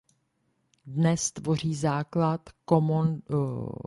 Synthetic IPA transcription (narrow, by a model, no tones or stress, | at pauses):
dnɛst̪vo̞r̝iːzaːklat̪komo